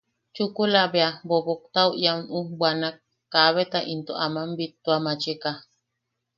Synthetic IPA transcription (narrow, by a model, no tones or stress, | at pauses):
t͡ʃukulabeabobok̚t̪awʔjaunubwanakː | aβet̪aʔint̪oʔamambit̪ːuamat͡ʃika